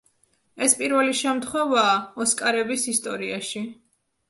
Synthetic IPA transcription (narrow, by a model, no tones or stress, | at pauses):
ɛspʼiɾvɛliʃɛmt̪ʰχwɛvaːɔskʼaɾɛbisist̪ʼɔ̰ɾiaʃi